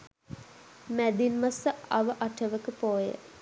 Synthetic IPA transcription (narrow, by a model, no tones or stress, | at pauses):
mæd̪inmasəɐ̰ʋəʔɐʈʰəʋəkəpoːjə̰